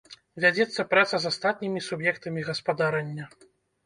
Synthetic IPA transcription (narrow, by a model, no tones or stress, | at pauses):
vʲad͡zʲɛt̪sːɐpɾat̪sɐzast̪at̪̚nʲimʲisubjɛkt̪ɐmʲiɣɐspad̪aɾɐnʲːɐ